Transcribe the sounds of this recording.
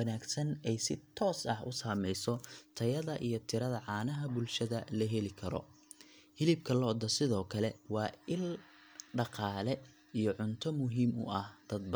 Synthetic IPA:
ɐnaːɡsɐnɛjsɪt̪ʰɔːsɐhʊ̰saːmɛjsɔt̪ʰɐjɐðɐʔijɞt̪ʰɪɾɐðɐʕɑːnɐɦɐbʊlʃɐðɐlɐɦɛlɪkʰɐɾɔ̰ | hɪlɪbkʰɐlɔd̪ɐsɪðɔːkʰɐlɛwɑːɪl | ɖɑqɑːlɛ | ijɔʕʊnt̪ʰɔmʊɦiːmʊ̰ɐhd̪̥ɐd̪̚b

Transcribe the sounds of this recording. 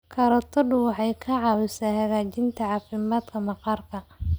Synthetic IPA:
kʰɐɾɐt̪ʰɐdʊwɑħɑjkʰɐʕɑːwɪsaːhɐɣaːt͡ʃɪnt̪ʰɐʕɑːfɪmaːd̪kʰɐmɑqɑːrkʰɐ

